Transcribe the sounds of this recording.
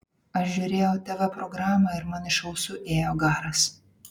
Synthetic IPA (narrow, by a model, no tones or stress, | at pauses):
ɐʃʒʲʊːɾʲeːjɛʊt̪ʲɛʋɐpɾɔɡɾɑːmɐɪɾmɐnɪʃɐʊsʊʔeːjoːɡɑːɾɐs